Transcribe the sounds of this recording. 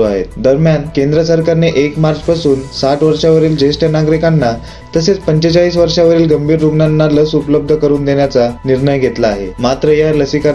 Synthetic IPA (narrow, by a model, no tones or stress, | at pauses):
a̰ɦḛtd̪əɾmjankend̪ɾəsəɾkaɾneʔekmaɾt͡ɕpasuːnsaʈʰʋəɾʂaʋəɾiːld͡ʑesʈənaɡɾikanːa | t̪əset͡spəɲt͡ɕet͡saɭiːs̬ʋəɾʂaʋəɾiːlɡəmbʱiːɾːuɡnanːaləsupləb̚d̪ʱəkəɾuːnd̪eɳjat͡saniɾɳəjɡʱet̪laːɦḛmat̪ɾəjaləsika